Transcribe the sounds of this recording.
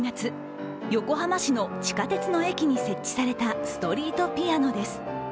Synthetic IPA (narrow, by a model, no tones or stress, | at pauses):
ŋat͡sɨ | jo̞ko̞ɦamaɕino̞t͡ɕi̥kat̪e̞t͡sɨno̞e̞kʲiɲ̟ise̞t͡ɕːi̥saɾe̞t̪asɨ̥t̪o̞ɾʲiːt̪o̞pʲiano̞d̪e̞sɨ̥